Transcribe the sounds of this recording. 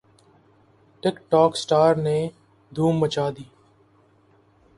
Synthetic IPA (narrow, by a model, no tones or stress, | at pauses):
ʈɪkʈɔːksʈaːɾneː | d̪ʱuːmːət͡ʃaːd̪iː